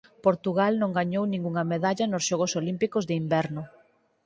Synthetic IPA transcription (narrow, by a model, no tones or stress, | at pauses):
poɾt̪uɣalnõŋɡaɲownĩŋɡuŋɐmeðaʎɐnosʃɔɣʊsolimpikʊzðɪimbɛɾnʊ